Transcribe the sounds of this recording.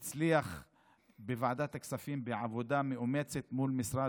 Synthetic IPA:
t͡slijax | bɪvaʕd̪aːt̪ːaksafiːmbɪʕavod̪amɪʔʊmet͡set̪muːlmɪsɾˤaː

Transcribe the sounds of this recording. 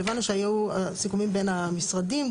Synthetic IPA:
evanːuʃeajuusikumimbe̞namisʁadim

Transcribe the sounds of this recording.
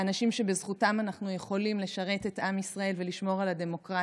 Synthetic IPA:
anaʃimʃe̞bezχutamanaχnuje̞χo̞limle̞ʃaʁe̞tetʔamisʁae̞lveliʃmo̞ʁalade̞mo̞kʁa

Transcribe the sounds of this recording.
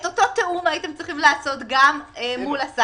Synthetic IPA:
et̪o̞t̪o̞t̪eumait̪emt͡sʁiχimlaːso̞t̪ɡamemulasa

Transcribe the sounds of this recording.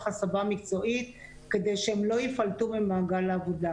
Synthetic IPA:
χasabamikt͡so̞ʔit̪ | ke̞d̪e̞jʃehemlo̞jifalt̪umemaːɡalaːvoda

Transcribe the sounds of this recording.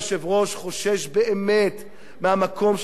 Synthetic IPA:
ʃevʁo̞ʃχo̞ʃe̞ʃbeeme̞t̪ | mehamako̞mʃ

